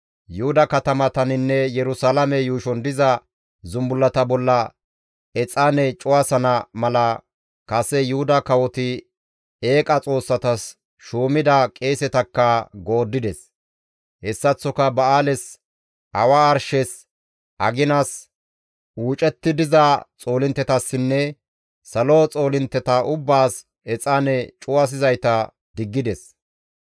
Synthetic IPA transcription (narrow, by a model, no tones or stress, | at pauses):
jʊhʊd̪ɐkɐt̪ɐmɐt̪ɐnɪnːɛjɛɾʊsalɐmɛjuːʃɔnd̪ɪzɐ | zʊmbʊlːɐt̪ɐbɔlːɐ | ɛt͡sʼaːnɛt͡ʃʼʊwasɐnɐmɐlɐ | kɐsɛjʊhʊd̪ɐkɐwɔt̪ɪ | e̞ːkʼɐt͡sʼo̞ːsːɐt̪ɐs | ʃuːmɪd̪ɐkʼe̞ːsɛt̪ɐkːɐɡo̞ːd̪ːɪd̪ɛs | hɛsːɐt͡sːɔkɐbɐaːlɛs | ʔɐwaːɾʃɛs | ʔɐ̰ɡɪnɐs | ʔuːt͡ʃʼɛt̪ːɪd̪ɪzɐt͡sʼo̞ːlɪnt̪ːɛt̪ɐsːɪnːɛ | sɐlo̞ːt͡sʼo̞ːlɪnt̪ːɛt̪ɐʔʊbːaːs | ɛt͡sʼanɛt͡ʃʼʊwɐs̬ɪzɐjt̪ɐ | d̪̥ɪɡːɪd̪ɛs